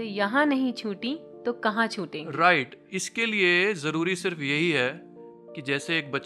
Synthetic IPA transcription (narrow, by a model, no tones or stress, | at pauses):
jɐɦãnɐɦĩt͡ʃʰuːʈĩ | t̪okɐɦãt͡ʃʰuːʈẽːɾaːɪʈɪskeliezɐɾuːɾisɪɾfjɐɦiɦɛ | kid͡ʒɛːseːk̚bɐː